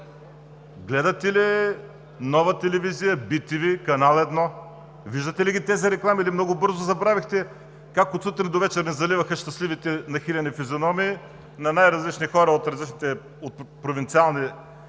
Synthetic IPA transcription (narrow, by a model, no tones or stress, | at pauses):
ɡlɛd̪ɐt̪ɛli | nɔvɐt̪ɛlɛvizijəbit̪ivikɐnalˠɛd̪nɔ | viʒd̪ət̪ɛliɡʲit̪ɛziɾɛklˠamilimnɔɡʊbɤɾzʊzɐbɾavixt̪ɛ | kakot̪sut̪ɾinid̪ovɛt͡ʃɛɾnɛzɐlivɐxɐʃt̪ɐslivit̪ɛnɐxilʲɐnifizʲionɔmiː | nɐnajɾɐzlit͡ʃnixɔɾɐot̪ɾɐzlit͡ʃnit̪ɛ | ot̪̚pɾovint̪sialˠni